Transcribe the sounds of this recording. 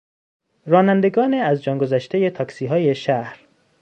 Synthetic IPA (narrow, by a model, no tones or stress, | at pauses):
rɒːnænd̪e̞ɡɒːneæzd͡ʒɒːŋɡozæʃt̪e̞je̞t̪ʰɒːksiːɦɒːje̞ʃæhɾ